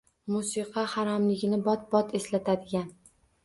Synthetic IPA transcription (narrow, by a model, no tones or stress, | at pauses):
musɨqʰɑhaɾɒmlɪɡʲɪnɪbɒt̪̚bɒt̪ʰe̞slat̪ʰad̪ɪɡʲan